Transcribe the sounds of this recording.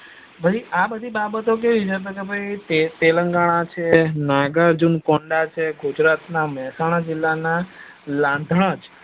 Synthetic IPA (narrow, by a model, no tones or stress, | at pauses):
bʱəiabəd̪ʱibabət̪ok̬eʋid͡ʒəb̪ʱəɡəbʱajt̪et̪eləŋɡaɽ̃at͡ʃʰenaɡəɾd͡ʒunkoɳɖat͡ʃʰeɡud͡ʒɾat̪namɛɦɛsaɽ̃ad͡ʒilːana | lãnd̪ʱəɽ̃əd͡ʒ